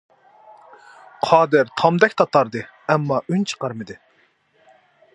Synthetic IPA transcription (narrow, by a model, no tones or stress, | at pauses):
qʰɑːd̪ɨɾt̪ʰɑmd̪ɛkʲt̪ʰɑt̪ʰɑɾd̪ɨ | ɛmːɑʔynt͡ʃʰə̥qɑɾmɨd̪ɨ